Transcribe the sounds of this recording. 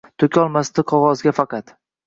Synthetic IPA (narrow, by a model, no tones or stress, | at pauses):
t̪ʰokʲʰɒlˠmast̪ɪqʰɒʁɒzɡʲafɑqɑt̪